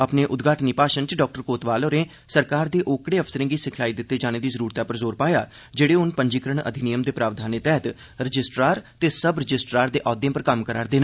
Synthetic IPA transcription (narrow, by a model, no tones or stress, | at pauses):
əpneːʔʊd̪ɡʱaːʈniːpaːʃənt͡ʃɖɔːk̚ʈəɾkoːt̪ʋaːloːɾẽː | səɾkaːɾd̪eːʔoːkɽeːəpʰsəɾɪ̃ŋɡiːsɪkʰaːiːd̪ɪt̪ːeːd͡ʒaːneːd̪iːzəɾuːɾt̪aːpəɾzoːɾpaːja̰ː | d͡ʒeːɽeːʊnpəɲd͡ʒiːkəɾəɳə̰d̪ʱɪnijəmd̪eːpɾaːʋd̪ʱaːneːt̪ɛːɦət̪ | ɾəd͡ʒɪsʈɾaːɾt̪eːsəbɾəd͡ʒɪsʈɾaːɾd̪eːʔɔːd̪ẽːpəɾkəmkəɾaːɾd̪eːnãː